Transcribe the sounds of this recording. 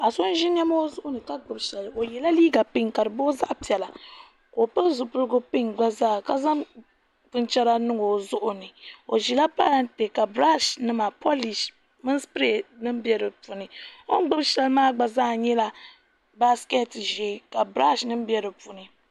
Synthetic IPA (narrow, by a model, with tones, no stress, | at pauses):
a˨so˦n˦ʒi˦n˦ɛ˦ma˦o˦zʊ˦ʔʊ˦nɨ˨ka˦ɡ͡bɨ˨bʃɛ˨lo˨jɛ˨la˦liː˦ɡa˨pɨ˦ŋka˨ɾɨ˨boː˦za˦ʔpi˨ɛ˨la˨ | ko˨pɨ˦zʊ˨pʊ˦ɾɡʊ˦pɨ˦ŋɡ͡ba˦zaː˦˨ka˦za˦m | pɨ˦nt͡ʃɛ˦ɾa˦nɨ˦ŋo˨zʊ˦ʔʊ˨nɨ˨o˨ʒi˨la˦pa˦la˨nte˨ka˨bɾa˦ʃnɨ˦ma˨po˦li˨ʃ | mɨ˦nspe˦˨nɨ˦m˦bjɛ˦ɾɨ˨pu˨nɨ˨o˦ŋ˦ɡ͡bɨ˦bʃɛ˦lɨ˦maː˦ɡ͡ba˨zaː˦˨ɲɛ˦la˨ | ba˦skɛ˦tʒeː˨˦ka˨bɾa˦ʃnɨ˦m˦bɛ˦ɾɨ˨pu˨nɨ˨